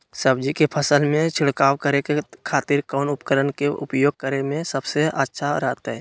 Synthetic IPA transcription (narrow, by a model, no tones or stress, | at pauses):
səb̚d͡ʒikepʰəsəlmẽt͡ʃʰɪɽkaːwkəɾekekʰaːt̪ɪɾkɔːnʊpkəɾənkeʔʊ̰pjoːɡ̚kəɾemẽsəbseʔətːʃʰaɾəɦt̪aɦɛː